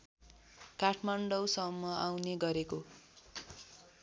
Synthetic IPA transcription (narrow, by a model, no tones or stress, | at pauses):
kaʈʰmaɳɖʌwsʌmːʌawneɡʌɾeko